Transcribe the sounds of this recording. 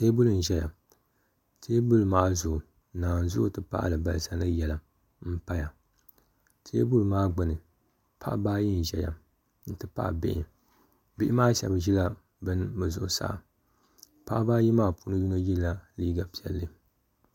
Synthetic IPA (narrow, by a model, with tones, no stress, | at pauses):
teː˦bʊ˦lɨ˨n̩˨ʒɛ˦ja̰˨ | tʰeː˦bu˦lɨ˨maː˦ʔzʊ˨ʔʊ˨ | naː˨n˨zʊ̰˦ʔtɨ˨pa̰˦ʔlɨ˨ba˨lɨ˨sa˨nɨ˦jɛ˨la˨ | m̩˦pa˦ja˨ | tʰeː˦bu˦lɨ˨maː˦ɡ͡bɨ˨nɨ˨ | pʰa̰˦ʔbaː˦ji˦n̩˨ʒɛ̰˨ja̰˨ | n̩˨tɨ˨pa̰˦ʔbɪ̰˦˨ʔɪ̰˨ | bɪ˦ʔɪ˦maː˦ʃɛ̰˨bʒi˦la˦ | bɨ˦nbɨ˨zʊ̰˨ʔʊ˨sa̰˦ʔ | pa˦ʔbaː˦ji˦maː˦pu˦˨˦nɨ˦du˦na˦ji˦lːa˦liː˦ɡa˨pi˨ɛ˨lːɨ˦